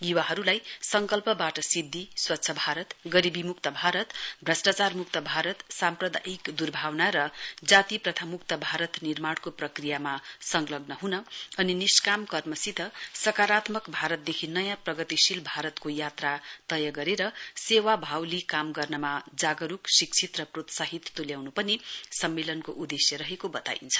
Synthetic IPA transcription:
jiwaɦʌɾulajsʌŋkʌlpʌbaʈʌsid̪ʱːiswʌtːsʰʌbʱaɾʌt̪ɡʌɾibʱimukt̪ʌbʱaɾʌt̪bʱrʌsʈat͡sarmukt̪ʌbʱaɾʌt̪samprʌd̪ʱa̰ikd̪urbʱawnaɾʌd͡zat̪iprʌt̪ʰamukt̪ʌbʱaɾʌt̪nirmaɽkoprʌkrijamasʌŋlʌɡnʌɦunʌʌniniskamkʌrmʌsit̪ʌsʌkaɾat̪mʌkbʱaɾʌt̪̚d̪ekʰinʌjãprʌɡʌt̪isilbʱaɾʌt̪kojat̪rat̪ʌjʌɡʌɾeɾʌsewabʱawlikamɡʌrnʌmad͡zaɡʌɾuksikt͡sʰit̪rʌprot̪sʌɦit̪ʰt̪ːuljawnupʌnisʌmːelʌnkoʔud̪esjʌɾʌɦekobʌt̪a̰ḭnt͡sʰʌ̥

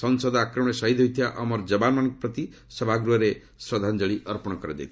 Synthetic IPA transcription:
sɔnsɔd̪akɾɔmɔ̃ɽ̃esaɦid̪ʱɦojt̪ʰijaʔɔmɔɾd͡ʒɔbanmanɔ̃ŋkɔpɾɔt̪i | sʌbʱaɡɾuɦɔɾe | sɾɔd̪ʱand͡ʒɔɭiʔɔɾpɔɽ̃ɔkɔɾad͡ʒa̰jt̪ʰ

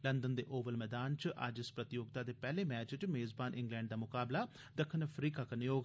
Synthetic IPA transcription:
lənd̪ənd̪eːʔoːʋəlmɛːd̪aːnt͡ʃʔə̰d͡ʒɪspɾət̪ɪjoːɡ̚t̪aːd̪eːpɛːleːmɛːt͡ʃʈmeːzbaːnʔɪ̃ŋɡlɛ̃ːɳɖd̪aːmʊkaːblaː | d̪əkʰənəpʰɾiːkaːkənjoːɡ

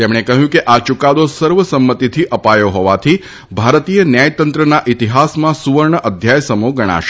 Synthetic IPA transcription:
t̪emɽ̃ekəɦjũkeʔat͡ʃukad̪osəɾʋəsəmːət̪it̪ʰiʔəpajoɦɔʋat̪ʰi | bʱaɾt̪ijənjajt̪ənt̪ɾənaʔit̪iɦasmãsuʋəɾɳəʔəd̪ʱjajsəmuɡəɽ̃a̰ʃ

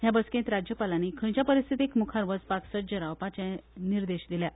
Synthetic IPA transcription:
ɦjabəskẽnt̪ɾad͡ʑjəpalanikʰəɽ̃t͡ɕjapəɾist̪ʰit̪ekmukʰaɾʋət͡spaksəd͡ʑəɾawpat͡ɕɛ̃niɾd̪eɕd̪ilja

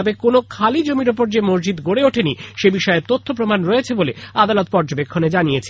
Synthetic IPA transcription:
ɔbekonokʰalid͡ʑomiɾop̬oɾd͡ʑemoɾd͡ʑid̪ɡoɽeoʈʰeniʃebiʃɔet̪ot̪ʰːopɾomanɾɔet͡ɕʰebolead̪alot̪̚pɔɾd͡ʑobekʰːoned͡ʑanijet͡ɕʰe

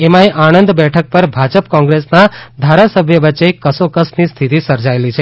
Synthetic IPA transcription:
emãeʔañənd̪bɛʈʰək̚pəɾbʱad͡ʒəpkɔ̃ŋɡɾesnad̪ʱaɾasəbʱjəʋətːt͡ʃekəsokəsnist̪ʰit̪isəɾd͡ʒaelit͡ʃʰe

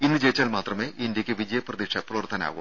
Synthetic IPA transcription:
inːɨt͡ɕejit͡ɕːaːlmaːt̪rɐme̞ːʔindjɐkʲːɨʋid͡ʑɐjɐprɐðikʂɐprɐʋɐrt̪ʰːɐna̰ːɣṵm

